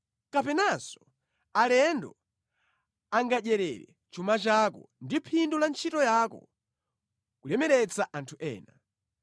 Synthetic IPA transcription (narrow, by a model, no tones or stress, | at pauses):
kapɛnasɔ̥ | alɛndɔ | aŋɡaɗɛɾɛɾɛ | t͡ʃumat͡ʃakɔ̰ndipʰindulant͡ʃʰitɔjakɔ̰ | kulɛmɛɾɛt͡saʔantʰuʔɛ̰ːna